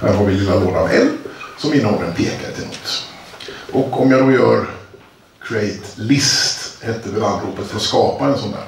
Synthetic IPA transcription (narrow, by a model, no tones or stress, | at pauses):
hæ̰ɾɦɑːɾvɪlɪlːaloːd̪anɛ̰nsɔmɪnːhɔlɾənpʰeːkaɾt̪ʰɪlmuːt̪ː | ʔɔkɔmjad̪ojœːɾ | kʰɾɛɪt̪lɪst̪hɛt̪ːəɾɪland̪ɾuːpːət̪fœɾɔskɑːpaɛnsɔnd̪æ̰ːɾ